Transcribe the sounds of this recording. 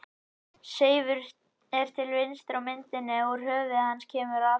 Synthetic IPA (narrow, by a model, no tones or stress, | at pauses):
seːjvʏɾ | ɛɾ̥t̪ʰɪlvɪnst̪ɾawmɪnt̪ɪnːɪuɾ̥ɦœːvɪhanːscʰɛːmʏɾa